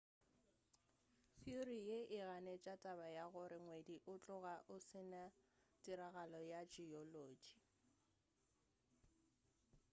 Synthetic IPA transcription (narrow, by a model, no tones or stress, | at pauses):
θjurijeʔɪɣanet͡ʃʼatʼaβajaɣʊɾɪŋwediʔʊt͡ɬʼʊɣaʔʊsɪnatʼiɾaɣalɔjad͡ʒiɔloːd͡ʒi